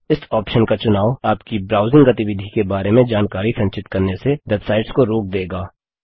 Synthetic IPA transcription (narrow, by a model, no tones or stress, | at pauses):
ɪsɔːpʃənkat͡ʃʊnaːʋaːpkibɾaːʊzɪ̃ŋɡɐt̪ɪʋɪd̪ʱikebaːɾemẽd͡ʒaːnkaːɾisɐ̃ɲt͡ʃɪt̪kɐɾnesed̪ɐt̪saːɪɖskoɾoːk̚d̪eːɡaː